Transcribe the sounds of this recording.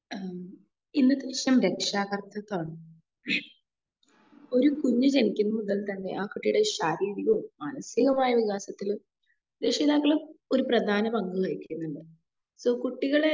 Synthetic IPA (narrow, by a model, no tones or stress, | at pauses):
inːɨt̪ːɐɾiɕjɐmɾe̞kʂaːɣɐrt̪ʰːɐt̪ːaːɳɨ | o̞ɾukuɲːud͡ʑenikʲːunːɐmuðɐlt̪ɐnːe̞̰ʔaːkuʈːijuɽe̞ɕaːɾiːɾiɣɐmaːnɐsiɣɐmaːjɐʋiɣaːsɐt̪ːilu | dekʂɐiðaːkːɐɭo̞ɾuprɐd̪ʱaːnɐbɐŋɡuʋɐjikːijunːuɳɖɨ | soːkuʈːiɣɐɭe